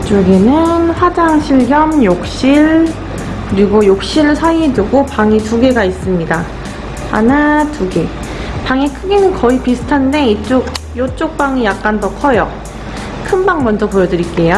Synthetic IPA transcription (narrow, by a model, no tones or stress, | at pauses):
t͡ɕ͈oɡenɯnɸwad͡ʑaŋɕʰiɭɡjʌmjok̚ɕ͈iɭ | kɯɾiɡojok̚ɕ͈iɾsʰaiduɡopaŋituɡe̞ɡais͈ɯmɲida | a̰natuɡe | paŋekʰɯɡenɯnkʌipisʰɯ̥tʰande̞it͡ɕ͈ok̚jot͡ɕ͈ok̚p͈aŋijak̚k͈antʌkʰʌjʌ | kʰɯnbaŋmʌnd͡ʑʌpojʌdɯɾik͈e̞jo